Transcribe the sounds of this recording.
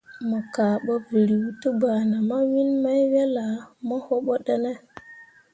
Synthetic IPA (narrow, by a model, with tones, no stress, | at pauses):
mə˨ka˨ɓo˦və˨ɾi˨wtə˦ba˨na˨ma˦wi˦nma˦jwe˦la˨mo˦ho˦ɓo˦ɗe˦ne˦